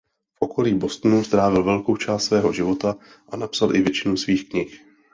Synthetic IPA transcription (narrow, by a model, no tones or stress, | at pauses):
fʔo̞ko̞liːbo̞st̪nust̪ɾaːvɪlvɛlko̞wt͡ʃaːst̪svɛːɦo̞ʒɪvo̞t̪a | ʔanapsalʔɪvjɛt͡ʃɪnuːsviːxkɲɪx